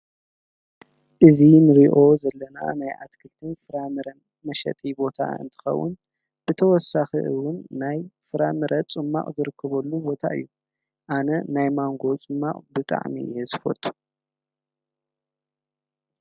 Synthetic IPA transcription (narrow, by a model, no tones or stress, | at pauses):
ʔɨzinɨɾiʔo̞zɐlːɐna̰najʔat̪kʰɨlt̪ʰɨnfɨɾamɨɾɐn | mɐʃɐ̰t̪ʼibo̞t̪ʰa̰ɨ̰nt̪ʰɨ̥xɐ̰wːʊ̰n | b̥ɨt̪ʰɐwɔsːaxḭʔɨwʊnːajfɨɾamɨɾʔɐt͡sʼɨmːa̰qʼzɨɾɨkʰːɐβɐlːubo̞t̪ʰa̰ʔɨ̰jːu | ʔanɐnajmaŋɡo̞t͡sʼɨmːa̰qʼbɨt̪ʼa̰ʕmḭjzɨfo̰t̪ʰʼːu̥